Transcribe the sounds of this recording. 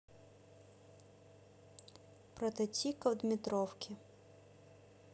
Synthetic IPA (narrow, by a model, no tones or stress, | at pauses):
pɾɔt̪et͡sʲikɐwd̪mʲɪt̪ɾɔwkʲɪ